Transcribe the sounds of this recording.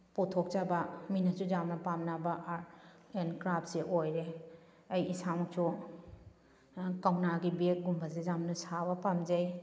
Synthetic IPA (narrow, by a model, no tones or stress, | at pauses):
putʰok̚t͡ʃabaminɐsud͡ʒamnɐpamnabaʔaɾ | enkɾap̚seʔojɾe | ɐjisamukt͡ʃʰu | kawnaɡibek̚ɡumbʱazezamnɐsabɐpamd͡ʒej